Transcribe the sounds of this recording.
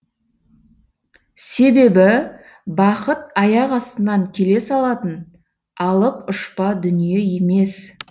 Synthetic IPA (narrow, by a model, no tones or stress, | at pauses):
se̞be̞bɪ | bɑqət̪̚ɑjɑqɑst̪ənɑŋkʲʰe̞le̞sɑlˠɑt̪ən | ɑlˠəpʊʃpɑd̪ʏnije̞je̞me̞s